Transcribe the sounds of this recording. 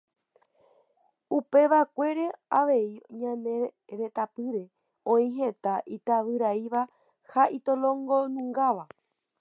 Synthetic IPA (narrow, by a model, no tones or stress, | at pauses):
upe̞ʋakʷe̞ɾe̞aʋe̞iɲãnẽ̞ɾe̞t̪apɨɾe̞ | õĩɦe̞t̪aʔit̪aʋɨɾaiʋa | haʔit̪olõŋɡo̞nũŋɡaʋa